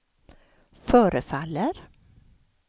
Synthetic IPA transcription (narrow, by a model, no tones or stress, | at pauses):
fœːɾəfalːəɾ